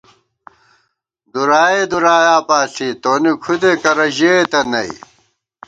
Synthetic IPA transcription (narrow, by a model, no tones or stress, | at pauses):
d̪uɾaːjed̪uɾaːjaːpaːsʰit̪oːnikʰud̪ekɐɾɐʑet̪ɐnɐḭ